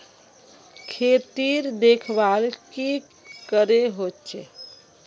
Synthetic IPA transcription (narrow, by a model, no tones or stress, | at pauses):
kʰet̪iɾd̪ekʰbalki | kəɾeɦott͡ʃʰe